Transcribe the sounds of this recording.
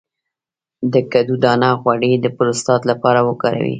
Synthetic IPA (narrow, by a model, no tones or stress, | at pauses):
d̪əkad̪ud̪ɑnɑxwaɽed̪əpʊɾʊst̪ɑt̪lapɑɾawəkɑɾa̰wḭ